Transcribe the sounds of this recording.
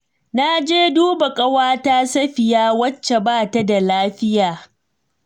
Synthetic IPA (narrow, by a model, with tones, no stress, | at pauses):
na˦d͡ʒeː˦duː˦ba˨kʼɐ˦waː˦ta˦sɐ˦ɸɪ˨jaː˦wɐ˦t͡ʃːe˨baː˦˨ta˦da˨laː˦ɸɪ˦jaː˨